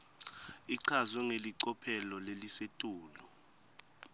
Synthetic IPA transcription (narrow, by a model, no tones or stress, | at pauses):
iǀʰazwɛŋeliǀɔpʰɛlɔlelisetʼuːlu